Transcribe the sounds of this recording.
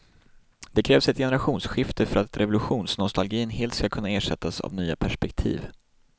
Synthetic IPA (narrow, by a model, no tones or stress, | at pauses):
d̪ɛkʰɾɛːvsɛt̪jɛnɛɾaɧuːnsɧɪft̪ʰəfœɾat̪ɾɛvʊlɵɧuːnsnɔst̪alɡiːnɦeːlt̪skakʰɵnːaeːʂɛt̪ːasa̰vnyːapʰæʂpɛkt̪ʰḭːv